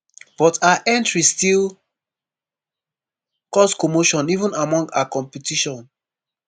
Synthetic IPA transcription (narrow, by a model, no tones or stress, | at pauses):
b̥ɔtʰaaʔɛ̃ntɹistil | kɔskomoʃɔ̃nivũnamɔ̃ŋɡakɔ̃mpitiʃɔ̃n